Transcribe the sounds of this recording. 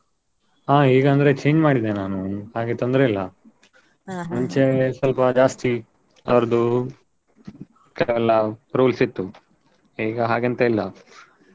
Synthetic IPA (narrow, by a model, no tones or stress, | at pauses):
ɦaːiːɡɐːnd̪ɐɾe̞t͡ʃe̞ːɲd͡ʒmaːɽid̪enaːnuhaːɡet̪ond̪ɾeilːɐ | muɲt͡ʃesɐlpɐd͡ʒaːst̪i | ɐʋɾɐd̪u | kɐʋɛlːɐɾuːlsit̪ːu | iːɡɐɦaːɡent̪ɐilːɐ